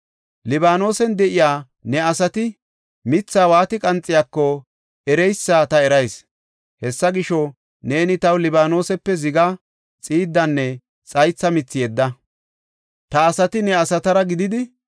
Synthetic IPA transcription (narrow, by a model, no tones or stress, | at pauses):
lɪbaːno̞ːsɛnd̪ɛʔɪjaː | nɛɐsɐt̪ɪ | mɪt͡sːaːwaːt̪ɪkʼɐnt͡sʼːɪjaːkːɔ | ɛɾɛjsːaːt̪ɐɛɾɐjs | hɛsːɐɡɪʃɔ | ne̞ːnɪt̪ɐwlɪbaːno̞ːsɛpːɛzɪɡɐ | t͡sʼiːd̪ːɐnːɛ | t͡sʼɐjt͡sːɐmɪt͡sːɪjɛd̪ːɐ | t̪ɐːsɐt̪ɪnɛɐsɐt̪ɐɾɐɡɪd̪ɪd̪ɪ